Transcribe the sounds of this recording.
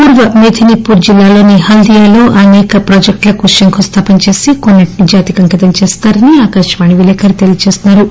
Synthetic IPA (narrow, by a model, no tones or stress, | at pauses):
puːɾʋɐmed̪ʰʱinipːuːɾd͡ʒilːaːlo̞ːnihɐld̪ijaːlo̞ːʔɐnɛːkɐpɾɐːd͡ʒek̚ʈlɐkuʂɐŋkʰost̪ʰaːpɐnt͡ʃe̞ːsikonːɐʈnid͡ʒaːt̪ikɐŋkit̪ɐnt͡ʃeːst̪aːɾɐniaːkaːʃɐʋaːniʋileːkɐɾit̪elijɐt͡ʃeːsnːaːɾu